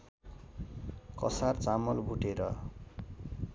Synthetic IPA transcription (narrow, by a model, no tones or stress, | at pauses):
kʌ̰sart͡samʌlbʱuʈeɾʌ